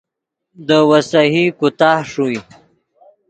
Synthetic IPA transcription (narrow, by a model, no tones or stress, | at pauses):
d̪əwasaɦikut̪ɑhʂuj